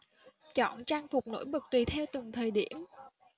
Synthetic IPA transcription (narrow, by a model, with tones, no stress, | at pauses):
t͡ɕɔ̰˧˨nt͡ɕaː˧ŋfʊ˨˩k͡p̚no̰˧˥jɓɨ˨˩k̚t̪wi˨˩t̪ʰɛ˧wt̪ɨ˨˩ŋt̪ʰəː˨˩jɗi˧˩əm